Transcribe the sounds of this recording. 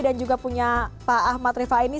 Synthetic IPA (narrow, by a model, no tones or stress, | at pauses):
dand͡ʒuɡapuɲapaːhmat̪ɾifaini